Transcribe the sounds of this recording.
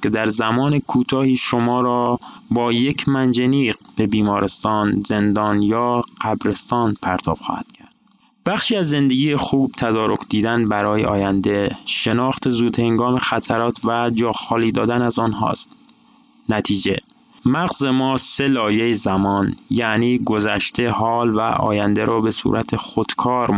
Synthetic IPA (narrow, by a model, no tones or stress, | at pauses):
kʰe̞d̪æɾzæmɒːnekʰuːt̪ʰɒːhiːʃomɒːɾɒːbɒːje̞cʰmænd͡ʒeniːb̥e̞biːmɒːɾe̞st̪ɒːnze̞nd̪ɒːnjɒːɢ̥æbɾe̞st̪ɒːnpʰæɾt̪ʰɒ̰ːb̥xɒ̰ːhæd̪̥cʰæɾd̪̥̚ | b̥æxʃiːæzːe̞nd̪eɡiːjexuːb̥̚t̪ʰæd̪ɒːɾo̞kʰd̪iːd̪ænbæɾɒːjḛɒːjænd̪e̞ʃe̞nɒːxt̪ʰe̞zuːd̪he̞ŋɡɒːme̞xæt̪ʰæɾɒːt̪ʰvæd͡ʒɒːxɒːliːd̪ɒːd̪ænæzɒːnɦɒ̰ːst̪ | næt̪ʰiːd͡ʒḛ | mæɣzemɒːse̞lɒːjejezæmɒːnjæniːɡo̞zæʃt̪ʰe̞hɒːlvæ̰ʔɒ̰ːjænd̪eɾɒːbe̞sṵɾʔæt̪ʰexod̪̥kʰɒːɾ